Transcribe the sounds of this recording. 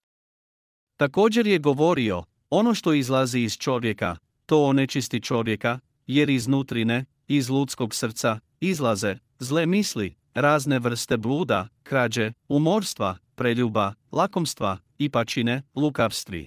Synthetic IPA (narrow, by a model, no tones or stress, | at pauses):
t̪ako̞ːd͡ʑe̞ɾje̞ɡo̞ʋo̞ɾio̞ | o̞no̞ʃt̪o̞izlˠaziːz̥t͡ʃo̞ʋje̞ka̰ | t̪o̞ːnet͡ʃist̪it͡ʃo̞ʋje̞ka | je̞ɾiznuːt̪ɾine̞ | izluːt̪sko̞ɡsr̩t̪sa | izlˠaze̞ | zlemisli | ɾaːzne̞ʋr̩st̪e̞bluːd̪a̰kɾad͡ʑeumo̞ɾst̪ʋapɾeʎuːbalako̞mst̪ʋa | ipat͡ʃine̞lukaʋst̪ʋḭ